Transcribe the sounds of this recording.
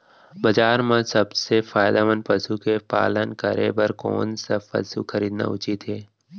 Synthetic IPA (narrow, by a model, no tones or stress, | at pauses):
bɐd͡ʒaːɾmãsəbsefaːjd̪aʋənpəsukepa̰ːlənkəɾebəɾko̰ːnsɐfɐ̰sṵkxʰəɾiːd̪na̰ʊt͡ʃit̪ɦeː